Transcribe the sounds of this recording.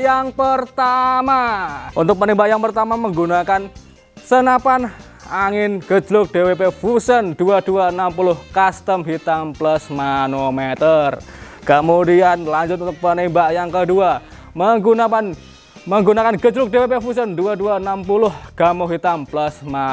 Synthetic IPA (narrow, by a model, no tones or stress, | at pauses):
jaŋpərt̪amaʔunt̪ʊk̚pənimbaʔjaŋpərt̪amaməŋɡunakan | sənapan | aŋɪnɡ̥ə̥d͡ʒlʊk̚d̥ewepefusənd̥uad̥uaənampulʊhkast̪əmɦit̪amplasmanomet̪ər | kəmudianlaɲd͡ʒʊt̪̬̚unt̪ʊk̚pənimbaʔjaŋkədua | məŋɡunapan | məŋɡunakanɡəd͡ʒlʊk̚d̥ewepefus̬ənduaduaənampulʊhɡ̥amɔɦit̪amplasma